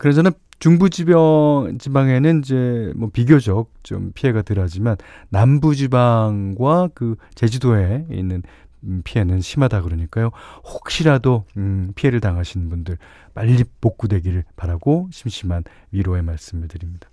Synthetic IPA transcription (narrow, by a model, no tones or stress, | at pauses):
kɯɾʌnd͡ʑʰʌna | t͡ɕuŋbud͡ʑibʌd͡ʑibaŋe̞nɯnid͡ʑe̞mwʌpiɡjod͡ʑʌk̚t͡ɕo̰mpʰie̞ɡatɯɾʌd͡ʑimanːambud͡ʑibaŋɡwakɯt͡ɕe̞d͡ʑidoe̞ḭnːɯnpʰiɦe̞nɯnɕʰimadakɯɾʌɲik͈ajohok̚ɕ͈iɾadopʰie̞ɾɯɭtaŋɦaɕʰinɯnbundɯɭ | maʎːipːok̚k͈udwe̞ɡiɾɯɭpaɾaɡoɕʰimɕʰiman | ɥiɾoe̞maɭs͈ɯmɯɭtɯɾimɲid̥ḁ